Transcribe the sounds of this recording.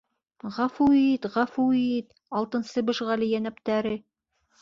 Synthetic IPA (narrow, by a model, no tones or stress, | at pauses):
ʁɑfuit̪ʁæfuit̪ | ɑlˠt̪ɤ̆nsɤbɤ̆ʃʁɑlijænæp̚t̪æɾɘ